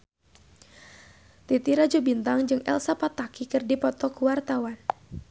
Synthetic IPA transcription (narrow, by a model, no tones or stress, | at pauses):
t̪it̪iɾad͡ʒubint̪aŋd͡ʒɨŋʔɛ̰lsapat̪akikɨrdipɔt̪ɔkuwart̪awan